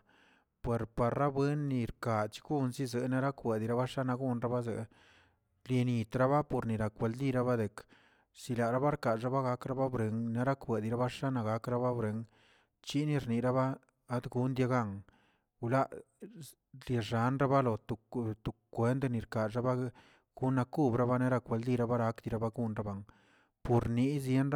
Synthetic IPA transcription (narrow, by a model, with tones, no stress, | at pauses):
pwe˨ɾpa˨ɾːa˦bwe˦nːi˧ɾka˨t͡ʃi̥˦ɡu˦nzi˦ze˨na˦ɾa˦kwe˨d̪i˧ɾa˦βa˦ʂa˦na˧ɡu˦nɾa˦ba˦ze˨ʔ | lje˧ni˨t̪ɾa˦βa˦po˧ɾni˨ɾa˨kwe˧ld̪i˦˧ɾa˦ba˦d̪e˨k | si˧la˨ɾa˦ba˦ɾka˨ʐa˦βa˦ɣa˦kɾa˦ba˦bɾe˨˧ŋna˦ɾa˦kwe˨d̪i˧ɾa˦ba˦ʂa˦na˧ɡa˨˦kɾa˧˦βa˦bɾe˧ŋ | t͡ʃi˦ni˧ɾni˨ɾa˦βaː˦ | d̪ɡu˧˦nd̪ʲja˧ɡa˦˧ŋ | u˧la˦ʔ | lje˧ʐa˨˦nɾa˦ba˦lo˨t̪u˨t̪u˨kʷːe˨˦nd̪ni˨ɾka˨ɾa˦ba˦ | ɡ̥u˦nːa˧ku˦bɾa˦βa˦ne˦ɾa˧kwe˧ld̪i˧ɾa˧ba˦ɾa˧˦kd̪i˧ɾa˧ba˦ɡu˧nɾa˦ba˧ŋ | po˨ɾni˧˦zje˦nɾa˦